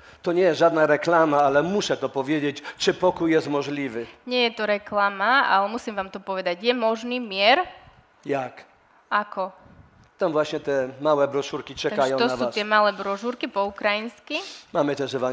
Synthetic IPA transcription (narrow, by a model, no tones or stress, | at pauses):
t̪ɔɲɛjɛʒad̪naɾɛklamaalɛmuɕɛt̪ɔpɔvʲjɛd͡ʑɛt͡ɕt͡ʂɨpɔkujːɛst̪mɔʒlʲivɪɲɪɛjɛt̪ɔɾɛklamaa̰lɛmusimʋaːmt̪ɔpɔʋɛd̪aɟjɛmɔʒniːmɪɛɾ | jak | akɔ | t̪amvwaɕɲɛt̪ɛmawɛbɾɔʃuɾkit͡ʂɛkaajɔ̃t̪ɔasuːat̪ɪɛmalɛbɾɔʃuɾkipɔukɾajinskimamɛt̪ɛʒɛva